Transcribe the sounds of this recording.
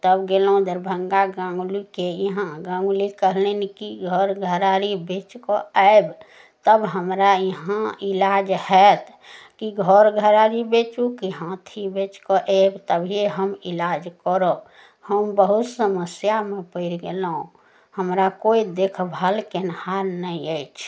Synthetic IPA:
t̪əbɡelõd̪əɾbʱəŋɡaɡãŋɡlikejəɦãɡãŋɡlikəɦlenikiɡʱɔɾɡʱəɾaɾibet͡ʃkɔəeb | t̪əbɦəmɾajiɦãilad͡ʒhɛt̪ʰ | kiɡʱɔɾɡʱəɾaɾibet͡ʃukiɦãt̪ʰibet͡ʃkɔʔebt̪əbʱieɦəmilad͡ʒkɔɾo | həmbəɦut̪səməsjamepəɪɾɡelõ | həmɾakoid̪ekʰbʱalkenəhaɾnəiəjt͡ʃʰ

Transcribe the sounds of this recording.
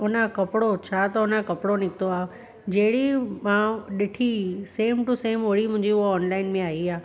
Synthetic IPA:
ʊnəkɐpɪɽot͡ɕʰaːt̪ɐɦʊnəkɐpɪɽonɪkɪt̪oaː | d͡ʑeɦɪɽimãɗɪʈʰiseːmʈuseːmoːɽimʊ̃ɦɪ̃ɲd͡ʑiʊɦoɔːnlaːɪnmẽaːɦiaː

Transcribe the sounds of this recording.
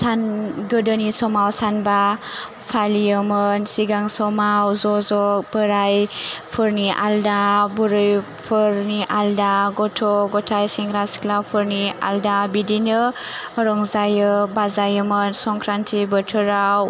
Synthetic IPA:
sanɡɯdənisɔmawsanba | pʰalijəmənsiɡaŋsɔmawzɔzɔk̚b̥əɾajpʰɯɾniʔa̰ldabuɾɯj | pʰɯɾniʔaldaɡɔtʰɔɡɔtʰajsiŋɾasi̥klapʰɯɾnia̰ldabidinɯɾɔŋzajɯbazajɯmənsɔŋkʰɾantʰibətʰɯɾaw

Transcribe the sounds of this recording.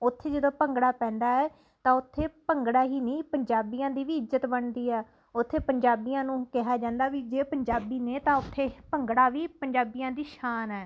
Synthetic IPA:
ʊt̪ʰːeːd͡ʒəd̪õːpəŋɡɽaːpɛ̃ːnd̪aːɛː | t̪ãːʊt̪ʰːeːpəŋɡɽaːɦiːnĩːpəɲd͡ʒaːbiːãːd̪iːʋiːɪzzət̪bəɳd̪iːɛː | ʊt̪ʰːeːpəɲd͡ʒaːbiːãːnũːkɪɦaːd͡ʒãːnd̪aːʋiːd͡ʒeːpəɲd͡ʒaːbiːneːt̪ãːʊt̪ʰːeːpəŋɡɽaːʋiːpəɲd͡ʒaːbijãːd̪iːʃaːnɛː

